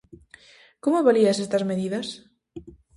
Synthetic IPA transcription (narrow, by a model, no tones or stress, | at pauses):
komoβaliɐsest̪ɐzmeðiðɐs